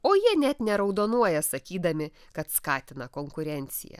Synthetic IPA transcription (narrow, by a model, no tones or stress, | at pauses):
oːjiɛnʲɛt̪nʲɛɾɐʊd̪oːnuɔjɛsɐkʲiːd̪ɐmʲɪ | kɐt̪skɑːt̪ʲɪnɐkoːŋkʊɾʲɛnʲt̪sʲɪ̰jɛ̰